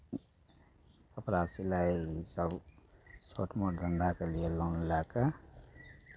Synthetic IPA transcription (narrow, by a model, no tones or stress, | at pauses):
ʌpɾasilajsʌb | sʰoʈmoʈd̪ʱʌnd̪akalijelawnulaka